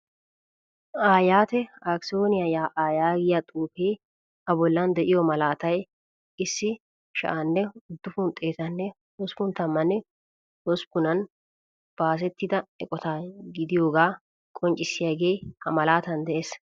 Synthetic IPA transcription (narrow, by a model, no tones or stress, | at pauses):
ʔaːjaːt̪ɛaksoːnɪjɐjaːʔaːjaːɡɪjat̪ʼuːfeː | ɐbɔlːɐnd̪ɛʔɪjɔmɐlaːt̪ɐj | ɪsːɪ | ʃɐ̰ʔanːɛʊd̪ːʊfʊnt̪ʼe̞ːt̪ɐnːɛ | wɔspʊnt̪ɐmːɐnːɛ | wɔspʊnɐn | b̥aːs̬ɛt̪ːɪd̪ɐɛkʼɔt̪aːɡɪd̪ɪjoːɡaː | kʼɔnt͡ʃʼːɪsːɪjaːɡe̞ːhɐmɐlaːt̪ɐnd̪ɛʔeːs